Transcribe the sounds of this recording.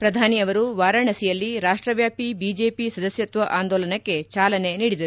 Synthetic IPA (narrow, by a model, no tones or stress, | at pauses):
pɾɐd̪ʱaːniɐʋɐɾuʋaːɾɐɳɐsijɐlːiɾaːʂʈɾɐʋjaːpibiːd͡ʒe̞ːpisɐd̪ɐsjɐt̪ʋɐʔaːnd̪oːlɐnɐkkːe̞t͡ʃaːlɐne̞niːɽid̪ɐɾu